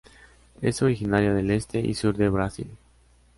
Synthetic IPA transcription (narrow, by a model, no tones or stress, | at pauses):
e̞̰so̞ɾixinaɾjaðe̞le̞st̪e̞ʔḭsuɾðeβɾasḭl